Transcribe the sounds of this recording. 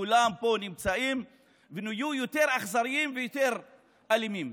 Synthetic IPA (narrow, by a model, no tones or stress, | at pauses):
ulampo̞nimt͡saim | venajujot̪e̞ʁaχzaʁiimvejoteʁ | alimim